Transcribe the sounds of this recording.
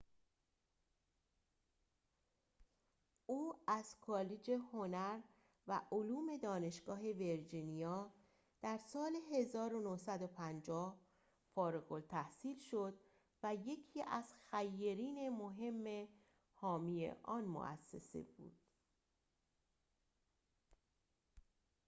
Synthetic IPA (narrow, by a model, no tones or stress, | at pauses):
ʔuːæz̥kʰɒːled͡ʒe̞ho̞næɾ | væʔoluːme̞d̪ɒːne̞ʃɡ̥ɒːɦe̞ve̞ɾd͡ʒinijɒː | d̪̥æɾsɒːle̞ɦe̞zɒːɾonohsæd̪opʰænd͡ʒɒːh | fɒːɾeɣo̞lt̪ʰæhsiːlʃo̞d̪ | væje̞cʰiːʔæz̥xæjːeɾiːne̞moɦe̞mːe̞ | hɒːmije̞̰ʔɒːnmo̰ʔæ̰sːḛsḛb̥ṵːd̪̥